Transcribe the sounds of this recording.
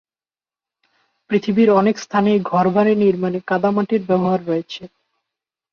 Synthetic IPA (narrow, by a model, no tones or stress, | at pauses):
pɾit̪ʰibiɾɔnekst̪ʰanejɡʱɔɾbʱaɾeniɾmanekad̪amaʈiɾbɛboɦaɾːojet͡ɕʰe